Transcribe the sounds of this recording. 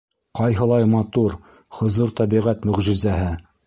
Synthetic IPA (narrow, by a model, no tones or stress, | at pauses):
qɑjɦɤ̆lˠɑjmɑt̪uɾ | hŏzuɾt̪æbiʁæt̪mɵ̆ʁʒɘ̆zæɦɘ